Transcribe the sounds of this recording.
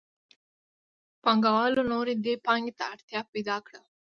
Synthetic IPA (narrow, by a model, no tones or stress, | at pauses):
pɐŋɡɐʋaːlunoːɾid̪epaːŋɡit̪ɐːʈt̪ʰjaːpːid̪aːkɽɐ